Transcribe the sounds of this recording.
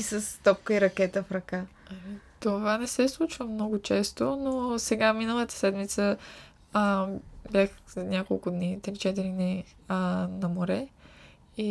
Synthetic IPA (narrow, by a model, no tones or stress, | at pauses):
isəst̪ɔp̚kəiɾɐkɛt̪əfɾɐkaɛt̪ovanɛsɛslˠut͡ʃvəmnɔɡʊt͡ʃɛst̪onosɛɡaminəlˠət̪ə̥sɛd̪mit̪sə | bʲjaxnʲakolˠkʊd̪nit̪ɾit͡ʃɛt̪̬iɾini | nɐmoɾɛ | i